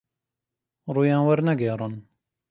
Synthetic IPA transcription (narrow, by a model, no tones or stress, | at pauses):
ɾuːjãːnwɐɾnɛɡɛːɾˤɨn